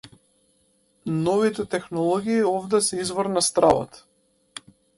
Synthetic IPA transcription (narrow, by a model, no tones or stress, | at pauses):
nɔvit̪ɛt̪ɛxnɔlˠɔɡʲiːɔvd̪ɛsɛizvɔɾnast̪ɾa̰vɔ̰t̪